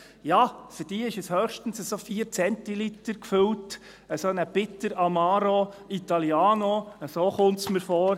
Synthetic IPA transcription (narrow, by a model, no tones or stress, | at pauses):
jɑːfyɾd̥iːəɪʃəshœːχʃtən̩səsofiːɾt͡sɛntilitəɾkfɵlt | əsonəb̥ɪtːəɾɑmɑːɾoit̪ɑljɑːnoəsoːχʊntsməɾfoːɾ